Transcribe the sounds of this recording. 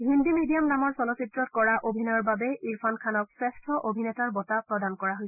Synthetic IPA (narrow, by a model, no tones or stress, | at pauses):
ɦindimidijamnamɔɹsɔnɔsitɹɔtkɔɹaʔobʱinɔɔɹbabɛʔiɹpʰankʰanɔk̚sɹɛstʰɔʔobʱinɛtaɹbɔtapɹɔdankɔɹaɦojsɛ̥